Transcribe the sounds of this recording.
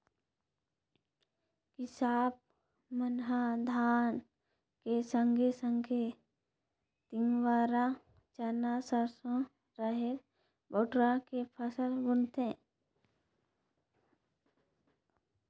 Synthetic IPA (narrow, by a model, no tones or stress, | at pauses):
kɪsaːp̚ | mənɦad̪ʱaːn | kesəŋɡʱesə̃ŋɡe | t̪ɪŋɡʋaːɾa | t͡ʃanasəɾsõ | ɾəɦe | boːʈɾakepʰəsəlbʊɽt̪ẽː